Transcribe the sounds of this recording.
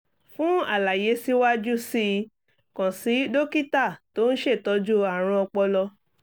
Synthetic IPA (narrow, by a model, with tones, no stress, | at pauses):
fũ˦a̰˦˨la˨je˨˦si˦wa˦d͡ʒu˦si˧ | kã˨si˨˦do˦ki˦ta˦˨to˦n̩˦ʃe˦˨tɔ˨˧˦d͡ʒu˦a˦˨ɾ̃ã˧ɔ˧k͡pɔ˧lɔ˧